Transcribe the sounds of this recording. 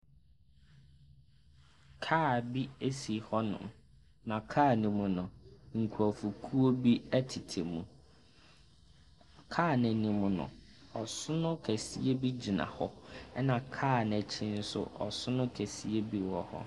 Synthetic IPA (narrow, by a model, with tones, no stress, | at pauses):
kʰaː˦˨bi˦e˦si˨hɔ˦nʊ̰̃˨m | nã˨kʰaː˦˨nɪ̃˨mʊ̃˨nʊ̃˨ŋ̩˨kʰu˨ɔ˨fu˨kʰu˦o˦bi˦æ˦tʰi˨tʰe˨mũ˨ | kʰaː˦˨nɪ̃˨nɪ̃˨mʊ̃˨nʊ̰̃˨ | ɔ˨sʊ˦nʊ̃˦kʰæ˨sḭ˦e˦bi˦d͡ʑi˨nã̰˨hɔ˦ɛ˦nã˨kʰaː˦˨nɛ̃˨t͡ɕʰɪ̃˦n̩˦sʊ̰˦ɔ̰˨sʊ˦nʊ̃˦kʰæ˨si˦e˦bi˦wɔ˨hɔ̰˦